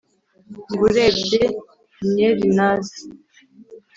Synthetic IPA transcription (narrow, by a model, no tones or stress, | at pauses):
ŋɡuɾebde | ɲeɾinazi